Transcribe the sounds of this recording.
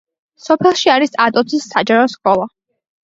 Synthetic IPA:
sɔpʰɛlˠʃiaɾisat̪ʼɔt̪sʰisːad͡ʒaɾɔskʼɔlˠa

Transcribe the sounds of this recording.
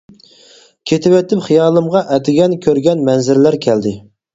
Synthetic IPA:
kʲʰet̪ʰɪwɛt̪ʰɪpχijɑːlˠɨmʁɑʔɛt̪ʰɪɡʲɛnkʲʰøɾɡʲɛnmɛnzɪɾlæɾkʲʰɛld̪ɪ

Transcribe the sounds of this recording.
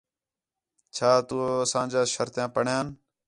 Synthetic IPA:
t͡ʃʰaːt̪uːəsãːd͡ʒaːʃəɾt̪jãːpəɳjãːn

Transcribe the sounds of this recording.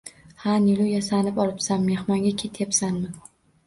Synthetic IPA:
hanɪlʊjasanɪpɒlˠɪpsamːe̞hmaŋɡʲakʲʰet̪ʰjapsanmɪ

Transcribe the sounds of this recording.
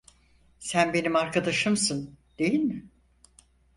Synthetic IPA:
sænbe̞nimaɾkad̪aʃɯmsɯnd̪̥e̞jilʲmɪ

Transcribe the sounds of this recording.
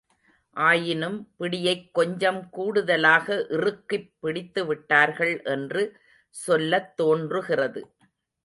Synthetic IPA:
ʔaːjɪnɯmpɪɽɪjɐɪkːɔɲd͡ʒɐmkuːɽɯðɐlaːɣɐʔɪrɯkːɪpːɪɽɪt̪ːɯʋɪʈːaːɾɣɐɭʔɛndrɯ | sɔlːɐt̪ːoːndrɯɣɪrɐðɯ

